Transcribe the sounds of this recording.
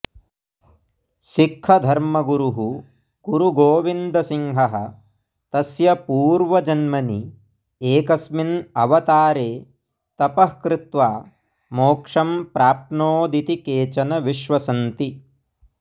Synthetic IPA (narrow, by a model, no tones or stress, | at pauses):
ʃikʰːɐd̪ʱɐɾmɐɡuɾuɦu | kuɾuɡoːʋind̪ɐsiŋɦɐɦɐ̰̆ | t̪ɐsjɐpuːɾʋɐd͡ʒɐnmɐni | eːkɐsminɐ̰ʋɐt̪aːɾeː | t̪ɐpɐhkɾɪt̪ʋaː | moːkʂɐmpɾaːp̚noːd̪it̪ikeːt͡ʃɐnɐʋiʃʋɐsɐnt̪i